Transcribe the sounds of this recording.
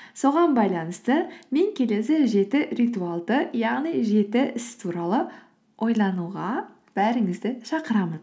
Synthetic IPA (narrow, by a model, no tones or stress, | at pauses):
so̞ʁɑnbɑjlˠɑnəst̪əme̞ŋkʲʰe̞le̞sɪʒe̞t̪ɪrijt̪ualˠd̪əjɑʁnijʒe̞t̪ɪʔɪst̪ʰuɾɑlˠə | ʔo̞jlˠɑnuʁɑ | b̥æɾɪŋɪzd̪ɪʃɑqəɾɑmən